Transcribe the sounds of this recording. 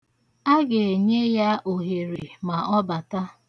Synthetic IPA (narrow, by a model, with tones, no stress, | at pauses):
a˦ɡe˨e˨ɲe˦ja˦ʔo˨ɦe˨ɾi˨ma˨ɔ˦ba˨ta˦